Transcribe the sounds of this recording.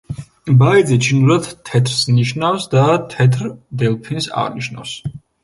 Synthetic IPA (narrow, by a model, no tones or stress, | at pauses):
baid̪zit͡ʃʰinuɾad̪t̪ʰːɛt̪ʰɾsniʃnafsd̪at̪ʰɛt̪ʰɾd̪ɛlˠpʰinsa̰ʁniʃna̰fs